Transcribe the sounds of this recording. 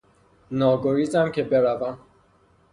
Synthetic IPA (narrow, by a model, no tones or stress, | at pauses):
nɒːɡoɾiːzæmcʰebe̞ɾævæm